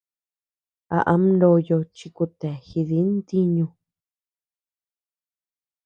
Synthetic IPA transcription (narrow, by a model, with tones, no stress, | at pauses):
a̰˧˨ʔa˦mnlo˧jo˧t͡ʃi˧ku˧t̪e˨xi˧ði˨˦nd̪i˦ɲũ˧